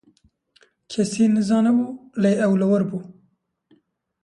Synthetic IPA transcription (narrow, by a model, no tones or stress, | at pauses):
kʰɛsiːnɨzɑːnɛbuːleːʔɛwlɨwəɾbuː